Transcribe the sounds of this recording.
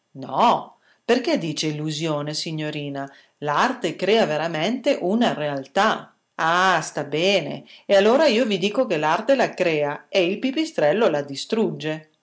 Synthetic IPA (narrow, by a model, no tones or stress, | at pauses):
nɔ | perk̟ed̪iːt͡ʃeilːuzjoːnesiɲːoɾiːna | lart̪ekɾɛːaveɾament̪eʔunarealt̪a | ast̪abɛːnḛealːoːɾaiːovid̪iːkokelart̪elakɾɛːaeilpipist̪ɾɛlːolad̪ist̪ɾud͡ʒːe